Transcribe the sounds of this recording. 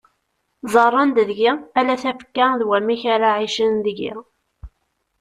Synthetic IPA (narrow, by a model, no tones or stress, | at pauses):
zˤɑrˤːɑnd̪ðʝiælæθæfə̥kːaðwæmiçaɾaʕiʃənðəʝḭ